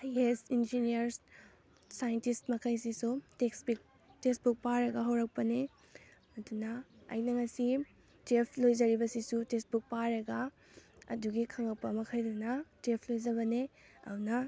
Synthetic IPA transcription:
ajesind͡ʒiniɐɾs | sajɐntistmɐkʰɐjs̬isuteksbik̚ | tesbuk̚paɾɐɡɐɦɐwɾɐk̚pɐne | ɐdunɐɐ̰jnɐŋɐsi | tepʰlojzɐɾibɐsisutesbuk̚paɾɐɡa | ɐ̰duɡikʰɐŋɐk̚pɐmɐkʰɐjdɐnɐtepʰlojzɐbɐne | ɐ̰unɐ

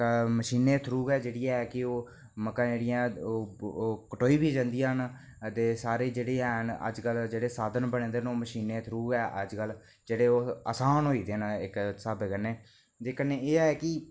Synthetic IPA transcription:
məʃiːneːt̪ʰɾuːɡɛːd͡ʒeːɽijaːɛːkɪoː | məkãːd͡ʒeːɽɪjãː | kəʈoːiːbʱiːd͡ʒãːnd̪ijãːn | t̪eːsaːɾeːd͡ʒeːɽeːɛːɦnə̰d͡ʒkəld͡ʒeːɽeːsaːd̪ənbəɽẽːnd̪eːnoːməʃiːneːt̪ʰɾuːɡɛːʔəd͡ʒkəl | d͡ʒeːɽeːoːə̰saːnɦoːiːd̪eːnɪksaːbeːkəneː | d͡ʒeːkəneeːɛːkɪ

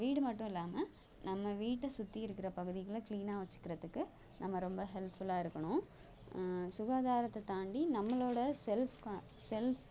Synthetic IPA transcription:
ʋiːɽɯmɐʈːʊ̃ɪlːaːmɐ | nɐmːɐʋiːʈːɐsʊt̪ːiɪɾɯkːɪɾɐpɐɣɯðɪɣɐɭɐkliːnaːʋɐt͡ʃːɯ̥kːɪɾɐðɯkːɯ | nʔɐmːɐɾɔmbɐɦɛlpfʊlaːɪɾɯkːɐɳʊ̃ | sʊɣaːðaːɾɐt̪ːɐt̪aːɳɖinɐmːɐɭoːɽɐsɛlfkːsɛlf

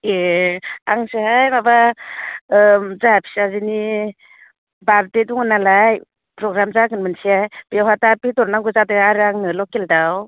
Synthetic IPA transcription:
e | aŋsehajmaba | zaapʰi̥sazini | baɾtedɔŋɯnalaj | pɾɔɡɾamzakɯnmɯnsiajbijawɦatapitɔɾnaŋɡuzadɯaɾɯaŋnɯlɔkeldaw

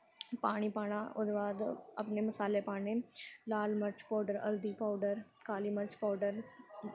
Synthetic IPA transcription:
paːɽ̃ipaːɳ̃aʔʊ̰d̪ʋaːd̪əpneməsaːlepaːɳelaːlməɾt͡ʃpaːɖəɾə̰ld̪iːpaːɖəɾ | kaːliːməɾt͡ʃpaːɖəɾ

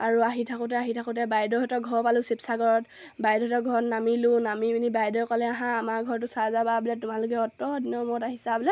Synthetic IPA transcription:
aɹuaɦitʰakʊtɛaɦitʰakʊtɛbajdɔɦɔtɔɡʱɔɹpalʊ̃sipsaɡɔɹɔt | bajdɔɦɔtɔɡʱɔɹnamilunamibinibajdɔjkɔlɛaɦãːmaɡʱɔɹtʊsazababilɛtʊmalʊk̬ɛɔtɔdinɔmɔtaɦisabilɛ

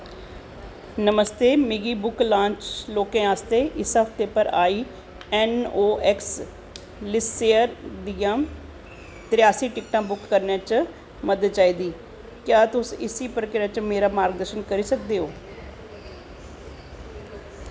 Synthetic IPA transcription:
nəməst̪eːmɪɡiːbʊklãːɲt͡ʃloːkẽːaːst̪eːʔɪsaːfʈ̪eːpəɾaːiː | ɛːnoːʔɛks | lɪseːəɾd̪ijãː | t̪ɾɪjaːsiːʈɪkʈãːbʊkːəɾnjãːt͡ʃ | məd̪əd̪̚t͡ʃaːiːd̪iː | kjaːt̪ʊsɪsiːpɾəkɾaːt͡ʃmeːɾaːmaːɾɡ̚d̪əɾʃənkəɾiːsək̚d̪eːoː

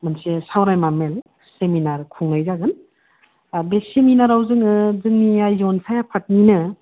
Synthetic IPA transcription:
mansesawɾajmamel | seminaɾkʰuŋlajzaɡɯn | abeseminaɾawzɯŋɯzɯŋniajzɔnsʰajapʰat̚ninɯ

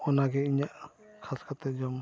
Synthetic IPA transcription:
ɔnaɡɛiɲaʔ | kʰaskʰat̪ɛd͡ʒɔm

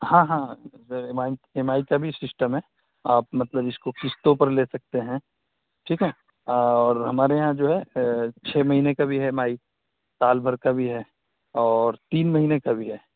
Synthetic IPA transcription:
hãːɦãːsəɾemaːiemaːikabʱisɪsʈəmɦɛ | aːp̚mɐt̪ləbɪskokʰɪst̪õpɐɾleːsɐk̚t̪eɦɛ̃ | ʈʰiːkɦɛː | ɔːɾɦɐmaːɾejɦãd͡ʒoːɦɛt͡ʃʰeːmɐɦiːnekabʱiɦɛmaːi | saːlbʱɐɾkabʱiɦɛ | ɔːɾt̪iːnmɐɦiːnekabʱiɦɛː

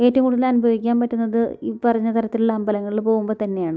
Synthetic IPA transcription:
e̞ːtːɐʋmkuɽuðɐlɐnubʱɐʋikʲːaːnpɐtːunːɐðɨipɐrɐɲːɐt̪ɐɾɐt̪ːiluɭːɐːmbʱɐlɐŋːɐɭilpo̞ːɣumboːt̪ɐnːe̞jaːɳɨ

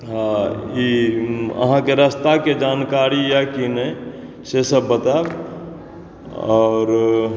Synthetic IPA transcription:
ɦãi | ə̰ɦãkeɾəst̪aked͡ʒankaɾijakinə | sesəbːət̪ab | ɔɾ

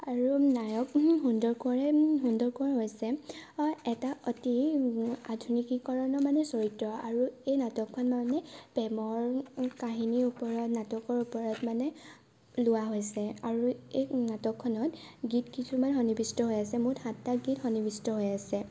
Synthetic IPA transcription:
aɹunajɔkɦundɔɹkɔɹɛɦundɔɹkɔɹɛɦojsɛ | ɛtaɔti | adʱunikikɔɹɔnɔmanɛsoɹitɹɔaɹuejnatɔkʰːɔnmanɛb̥ɛmɔɹkaɦiniupɔɹɔtnatɔkɔɹupɔɹɔtmanɛ | lʊwaɦojsɛaɹuejnatɔkʰːɔnɔtɡitkisʰumanɦɔnibistɔɦojasɛmuthãtːaɡitxɔnibistɔɦojasɛ

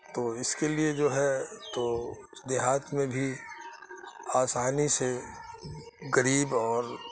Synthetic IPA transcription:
t̪oːɪskelied͡ʒoːɦɛt̪oː | d̪ɪɦaːt̪mẽbʱi | aːsaːnise | ɣɐɾiːbɔːɾ

